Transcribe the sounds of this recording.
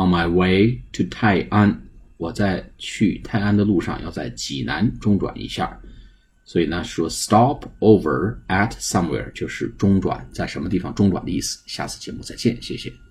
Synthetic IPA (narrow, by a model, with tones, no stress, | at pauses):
nma˨˩ɪwe˥ɪt̪ʰu˧˩t̪ʰa˥˩ɪʔa˥nwɔ˨˩t͡sa˥˧ɪt͡ɕʰy˥˧t̪ʰa˥˧ɪa˥nd̪ə˨˧lu˥˧ʂɑ̰˧ŋjɑ˥˧ʊt͡sa˥˩ɪt͡ɕi˨˩na˧˥nʈ͡ʂʊ˥ŋʈ͡ʂwa̰˨˩nʔḭ˧˥ɕja̰˥˩ | swɔ˧˥i˨˩na˧ʂɻ̩˥˩wɔ˥st̪ɑ˥pʰo˥ʊvə̰˞˨˩æ˧tsɐ˥mwɛ̰˧˥ɹt͡ɕjo˥˧ʊʂɻ̩˥˩ʈ͡ʂʊ˥ŋʈ͡ʂwa̰˨˩˦nt͡sa˥˩ɪʂə˧˥nmə˧t̪i˥˩fɑ˨˩ŋʈ͡ʂʊ˥ŋʈ͡ʂwa˨˩nd̪ə˦˧i˥˩sɹ̩̥˩ɕja̰˥˧t͡sʰɹ̩˥˩t͡ɕjɛ˧˥mu˥˧t͡sa˥˧ɪt͡ɕjɛ˥˩nɕjɛ˥˩ɕjɛ̰˨˩